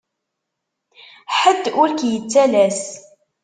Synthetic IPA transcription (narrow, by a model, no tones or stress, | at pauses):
ħəd̪ːʊɾkjət͡sːælæs